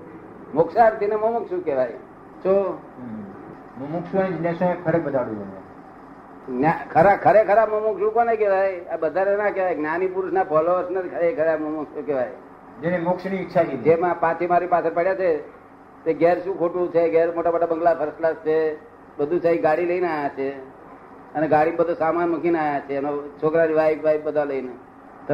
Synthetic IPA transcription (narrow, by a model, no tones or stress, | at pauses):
mʊksaɾt̪ineməmukʃũːkeʋaj | t͡ʃo | momukʃũãd͡ʒɪnẽsõẽkʰəɾek̚bəd̪aɽũd͡ʒonḛ | nakʰəɾakʰəɾekʰəɾabmomʊkʃũkonekeʋajabəd̪ʱanenakeʋajɡnanipuɾʃnapʰɔloəɾsnəɾkʰəɾekʰəɾabmomukʃũkeʋaj | d͡ʒenemʊkʃniːtːʃʰakd͡ʒemãpãt͡ʃʰemaɾipat͡ʃʰəɾpaɽjat͡ʃʰe | t̪eɡɛɾʃũkʰoʈũt͡ʃʰeɡɛɾmoʈabəʈabəŋɡlapʰəɾslast͡ʃʰe | bəd̪ʱusaĩɡaɽiləineajat͡ʃʰe | əneɡaɽimbəd̪ʱosamanməkʰinaːjat͡ʃʰenot͡ʃʰokɾaɾiʋaiʋajbəd̪ʱaləine | t̪